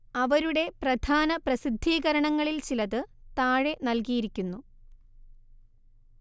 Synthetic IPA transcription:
ɐʋɐɾuɽe̞prɐd̪ʱaːnɐprɐsid̪ʱːiːɣɐɾɐɳɐŋːɐɭilt͡ɕilɐðɨt̪aːɻe̞nɐlkijiɾikʲːunːu

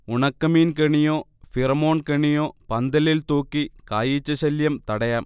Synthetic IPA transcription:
ʊɳɐkːɐmiːnkɐɳɪjoːfiɾɐmoːnkɐɳɪjoːpɐnd̪ɐlɪlt̪oːkːikaːjit͡ʃːɐsɐljɐmt̪ɐɽɐjaːm

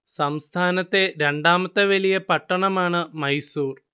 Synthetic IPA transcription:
sɐmst̪ʰaːnɐt̪ːe̞ɾe̞ɳɖaːmɐt̪ːɐʋɐlijɐpɐʈːɐɳɐmaːɳɨmɐjsuːr

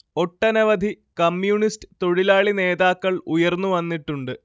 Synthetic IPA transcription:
o̞ʈːɐnɐʋɐd̪ʱi | kɐmjuːɳistɨ̥t̪o̞ɻilaːɭine̞ːðaːkːɐɭujɐrnːuʋɐnːiʈːuɳɖɨ

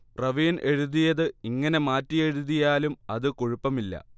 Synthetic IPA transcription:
prɐʋiːnʔe̞ɻuðijɐðɨiŋːɐne̞maːtːije̞ɻuðijaːlumɐðɨkuɻupːɐmilːɐ̰

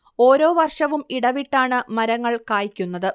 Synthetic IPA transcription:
o̞ːɾo̞ːʋɐrʂɐʋumiɽɐʋiʈːaːɳɨmɐɾɐŋːɐɭkaːjikʲːunːɐðɨ

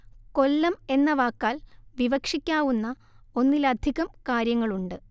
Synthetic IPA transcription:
ko̞lːɐme̞nːɐʋaːkːaːlʋiʋɐkʂikʲːaːʋunːɐ | o̞nːilɐd̪ʱiɣɐmkaːɾjɐŋːɐɭuɳɖɨ

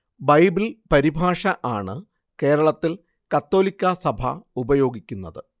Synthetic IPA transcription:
bɐjbilpɐɾibʱaːʂɐʔaːɳɨ | ke̞ːɾɐɭɐt̪ːil | kɐt̪ːo̞ːlikʲːɐsɐbʱɐ̰ubɐjo̞ːɡikʲːunːɐðɨ

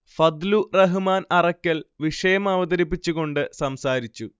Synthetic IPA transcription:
fɐd̪lurɐɦɨmaːnɐrɐkʲːɐlʋiʂɐjɐmɐʋɐd̪ɐɾipːit͡ɕːuɣo̞ɳɖɨsɐmsaːɾit͡ɕːu

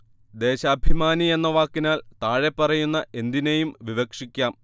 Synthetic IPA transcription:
d̪e̞ːɕɐːbʱimaːnie̞nːɐʋaːkːinaːlt̪aːɻe̞pːɐrɐjunːɐʔe̞nd̪ine̞jumʋiʋɐkʂikʲːaːm

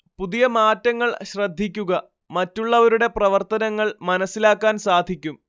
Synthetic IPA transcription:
puðijɐmaːtːɐŋːɐɭɕrɐd̪ʱːikʲːuɣɐ | mɐtːuɭːɐʋɐɾuɽe̞prɐʋɐrt̪ɐnɐŋːɐɭmɐnɐsːilaːkːaːnsaːd̪ʱikʲːum

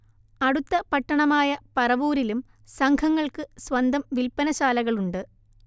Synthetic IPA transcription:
ɐɽut̪ːɐpɐʈːɐɳɐmaːjɐpɐrɐʋuːɾilum | sɐŋkʰɐŋːɐɭkɨsʋɐnd̪ʱɐmʋilpɐnɐɕaːlɐɣɐɭuɳɖɨ

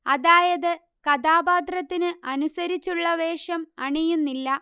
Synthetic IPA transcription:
ɐðaːjɐðɨ | kɐd̪aːbaːd̪rɐt̪ːinɨɐnusɐɾit͡ɕːuɭːɐʋeːʂɐmɐɳijunːilːɐ

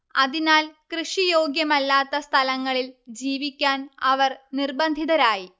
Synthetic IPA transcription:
ɐðinaːlkrɨʂijo̞ːɡjɐmɐlːaːt̪ːɐst̪ʰɐlɐŋːɐɭild͡ʑiːʋikʲːaːnɐʋɐrnirbɐnd̪ʱiðɐɾaːji

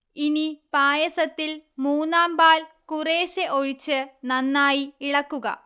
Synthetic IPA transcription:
inipaːjɐsɐt̪ːilmuːnːaːmbaːlkureːɕeʔo̞ɻit͡ɕːɨnɐnːaːjiiɻɐkːuɣɐ̰

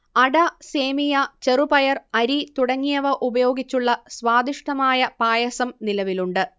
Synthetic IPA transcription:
ɐɽɐseːmijɐt͡ɕerubɐjɐrɐɾit̪uɽɐŋːijɐʋɐʔubɐjo̞ːɡit͡ɕːuɭːɐsʋaːd̪iʂʈɐmaːjɐpaːjɐsɐmnilɐʋiluɳɖɨ

